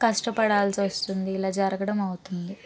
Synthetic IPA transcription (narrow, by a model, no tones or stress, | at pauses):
kɐʂʈɐpɐɽaːlsiɐst̪und̪iːlaːd͡ʒɐɾɐɡɐɽɐmɐwut̪und̪i